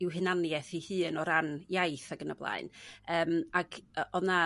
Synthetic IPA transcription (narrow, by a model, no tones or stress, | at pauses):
ɪwɦɨnanjɛθihɨːnɔɾanjajθaɡənə̰blˠa̰ɨnəːmaɡ̥ɔna